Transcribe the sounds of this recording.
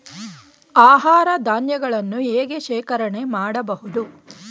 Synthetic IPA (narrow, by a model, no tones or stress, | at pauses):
aːɦaːɾɐd̪ʱaːnjɐɡɐɭɐnːueːɡeʃɛːkɐɾɐɳe̞maːɽɐbɐɦud̪u